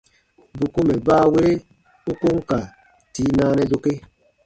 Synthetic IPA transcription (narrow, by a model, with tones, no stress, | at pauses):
bu˨ku˦mɛ˨baː˦˨we˦ɾe˦ | u˦ko˦ŋ˦ka˨ | ti˨˦nãː˦nɛ˦do˧˨ke˦